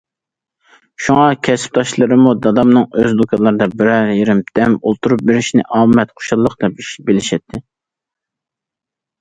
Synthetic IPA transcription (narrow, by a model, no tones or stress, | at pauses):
ʃuŋɑkʲʰɛsɪ̥p̚t̪ɑʃlˠɨɾɨmud̪ɑd̪ɑmnɨŋøzd̪okʰɑlˠɨɾɨd̪ɑbɪɾɛɾjeɾɪmt̪ʰɛmolˠt̪ʰuɾup̚beɾɪʃnɪ̰ʔɑːmɛt̪qʰo̥ʃɑlˠːəqd̪ɛp̚iʃbelɪʃɛt̪ʰːɪ